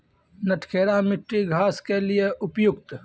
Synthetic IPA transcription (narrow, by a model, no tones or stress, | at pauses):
nɐʈʰkʰeːɾamɪʈɾiɡʱaːskelieʔʊpjʊkt̪